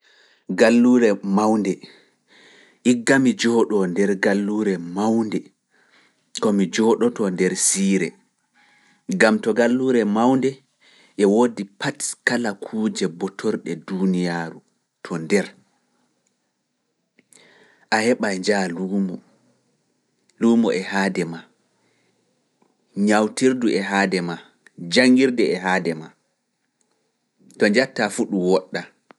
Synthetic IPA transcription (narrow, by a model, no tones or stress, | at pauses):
ɡalːuːɾɛmawndɛ | ʔiɡːamid͡ʒɔːɗɔndɛɾɡalːuːɾɛmawndɛ | kɔmid͡ʒɔːɗɔtɔndɛɾsiːɾɛ | ɡamtɔɡalːuːɾɛmawndɛ | ʔɛwodipatkalakʰuːd͡ʒɛbɔtʰɔɾɗɛdunijaːɾu | tʰɔndɛɾ | ʔahɛɓajɲd͡ʒalumɔ | luːmɔʔɛhaːdɛma | ɲawtiɾduɛɦaːdɛma | d͡ʒaŋɡiɾdɛɛɦaːdɛma | tɔd͡ʒatːafuɗuwɔɗːa